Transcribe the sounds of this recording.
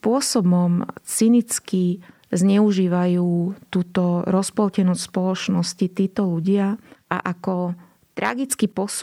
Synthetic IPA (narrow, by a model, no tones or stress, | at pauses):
pʊɔsɔbɔmt͡sinit͡ski | zɲɛuʒiːʋajuːt̪uːt̪ɔɾɔspɔlcɛnɔsspɔlɔt͡ʃnɔscit̪iːt̪ɔluɟɪaʔa̰ʔakɔ | t̪ɾa̰ɡit͡skipɔs